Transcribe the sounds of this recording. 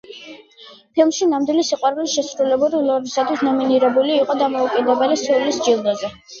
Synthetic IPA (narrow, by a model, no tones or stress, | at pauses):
pʰilˠmʃinamd̪wilisiqʼwaɾlisʃɛsɾulɛbuɾilˠɔɾisat̪ʰwisnɔminiɾɛbuliːqʼɔd̪amɔukʼɛd̪ɛbɛlisɔlisd͡ʒilˠd̪azɛ